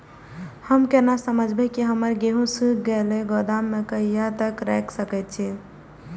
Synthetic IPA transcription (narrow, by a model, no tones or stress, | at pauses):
həmkenasəməd͡ʒʱbekiɦəməɾɡeɦũsikɡeleɡod̪amːekəijat̪əkɾɛksəkɛt̪̚t͡ʃʰi